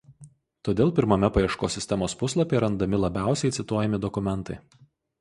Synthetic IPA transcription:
t̪oːd̪ʲeːlˠpʲɪɾmɐmʲɛpɐjiɛʃkoːsʲɪsʲt̪ʲɛmoːspʊslˠɐpʲeːɾɐnd̪ɐmʲɪlˠɐbʲæˑʊsʲɛɪt̪sʲɪt̪uɔjɛmʲɪd̪ɔkʊmʲɛnˑt̪ɐɪ

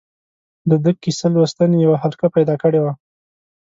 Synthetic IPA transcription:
d̪əd̪əkːisalwəst̪anejawaɦalkapajd̪ɑkəɽewa

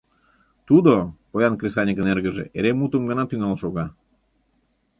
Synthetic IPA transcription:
t̪ud̪opojɑnkrʲesɑnʲikənerɣə̆ʒḛʔeɾemut̪əmɡə̆nɑt̪yŋɑlʃoɣɑ

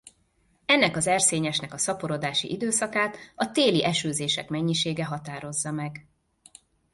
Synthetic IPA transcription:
ɛnːɛkɒzɛrseːɲɛʃnɛkɒsɒpoɾo̞d̪aːʃḭʔid̪øːsɒkaːt̪ɒt̪eːliʔɛʃøːzeːʃɛ̰kmɛɲːiʃeːɡɛɦɒt̪aːɾo̞zːɒmɛɡ

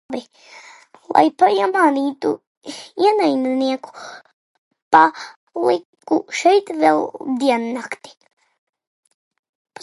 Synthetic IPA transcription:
bi | lˠa̰jpajamaːniːt̪ṵ | iɛnajnniɛku̥ | pa | lˠikuʃɛjt̪vɛlˠd̪iɛnːakt̪i̥ | p

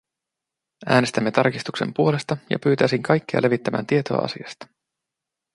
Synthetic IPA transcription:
æːnest̪æmːe̞t̪ɑrkist̪ukse̞̰mpuole̞st̪ɑjɑ̰pyːt̪æːsiŋkʰɑjkːeɑ̰lʔe̞ʋit̪ːæmæ̰ːnt̪iet̪o̞̰ɑ̰ʔɑ̰sḭɑst̪ɑ̥

